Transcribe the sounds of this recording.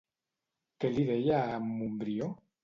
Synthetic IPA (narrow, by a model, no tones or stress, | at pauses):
keliðejaːmumbɾio